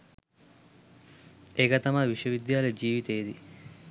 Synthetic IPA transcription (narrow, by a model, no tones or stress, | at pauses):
ekɐt̪ɐmaʋiʂɐʋid̪jaːlɐd͡ʒiːʋit̪ejd̪i